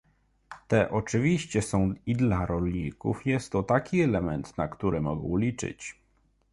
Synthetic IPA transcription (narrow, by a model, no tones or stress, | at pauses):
t̪ɛʔɔt͡ʂɘvʲiɕt͡ɕɛsɔ̃w̃id̪laɾɔlɲikṵfjɛst̪ːɔt̪akʲiɛlɛmɛnt̪nakt̪uɾɘmɔɡɔwlʲit͡ʂɘ̰t͡ɕ